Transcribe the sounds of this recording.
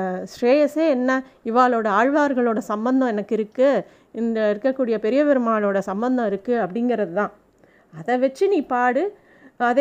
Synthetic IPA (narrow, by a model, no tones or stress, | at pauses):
sɾeːjɐseːɛnːɐɪʋaːɭoːɽɐaːɻʋaːɾɣɐɭoːɽɐsɐmbɐnd̪ɐ̃ɛnɐkːɪɾɯkːɯ | ɪnɐɪɾɯkːɐkːuːɽɪjɐpɛɾɪjɐʋɛɾɯmaːɭoːɽɐsɐmbɐnd̪ɐ̃ɪɾɯkːɯɐpːɐɽɪŋɡɪɾɐðɯt̪ãː | ɐðɛʋɛt͡ʃːɯniːpaːɽɯ | ɐðe